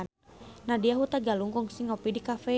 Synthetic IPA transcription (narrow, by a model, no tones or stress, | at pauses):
nnadiaɦut̪aɡaluŋɡɔŋsiŋɔpidikafɛ